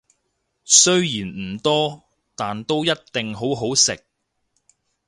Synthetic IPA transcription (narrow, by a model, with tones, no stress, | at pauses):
sɵ˥ɥjiː˨˩nm̩˨˩t̪ɔː˥ | t̪aː˨nt̪o˥wjɐ˥t̚t̪ɪ˨ŋɦo˨˥wɦo˨˥wsɪ˨k̚